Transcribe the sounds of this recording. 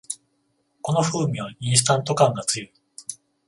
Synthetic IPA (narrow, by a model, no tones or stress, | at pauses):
ko̞no̞ɸɯ̟ːɲʲiβaĩɰ̃s̬ɨ̥t̪ãnt̪o̞kãŋɡat͡sɨjɯ̟